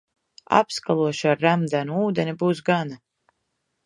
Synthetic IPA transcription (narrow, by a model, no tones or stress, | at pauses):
a̰pskalˠuɔʃaɾːamd̪ænuuːd̪enʲibuːs̬ɡana